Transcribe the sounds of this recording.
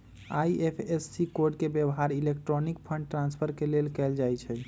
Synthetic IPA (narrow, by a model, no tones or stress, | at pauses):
ajepʰesːikoɾɖkebjebɦaɾilek̚ʈɾonik̚pʰəɳɖʈɾãnspʰəɾkelelkɛld͡ʒajt͡ʃʰɛ